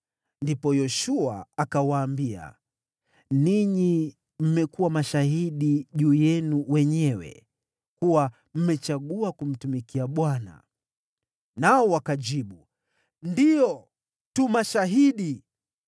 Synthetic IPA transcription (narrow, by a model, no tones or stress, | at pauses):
ndipɔjɔʃua̰akawaːmbia̰ | niɲi | m̩mɛkuwamaʃaɦiɗiʄuːjɛnuwɛɲɛwɛ̰ | kuwa | m̩mɛt͡ʃaɠuakum̩tumikiaɓwana̰ | naɔwakaʄiɓu | ndijɔ | tumaʃaɦiɗi